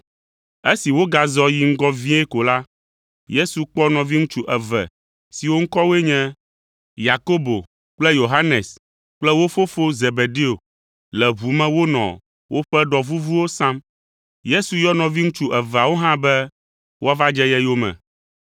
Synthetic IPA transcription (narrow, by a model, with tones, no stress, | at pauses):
e˦si˨wo˦ɡa˨zɔ˦ji˦ŋ̩˦ɡɔ˦vĩ˦e˦ko˨la˦ | je˦su˨k͡pɔ˦nɔ̃˨vi˦ŋũ˦t͡ʃu˦ʔɛ˨vɛ̰˨ | si˨wo˦ŋ̩˦kɔ˦we˦ɲɛ̃˦ | ja˨ko˦bo˨ | k͡plɛ˦jo˨ɦa˦nɛ˨s | k͡plɛ˦wo˦fo˦fo˦ze˨be˨ɖe˦o˨ | lɛ˨βu˨mɛ̃˦wo˦nɔ̰̃˨ | wʔo˦ɸɛ˦ɖɔ˨vu˦vu˦wo˦sã˦m | je˦su˨jɔ˦nɔ̃˨vi˦ŋũ˦t͡ʃu˦ʔɛ˨va˨wo˦ɦã˦bɛ˦ | wʔo˦a˦va˦d͡ʒɛ˦jɛ˦jo˦mɛ̰̃˨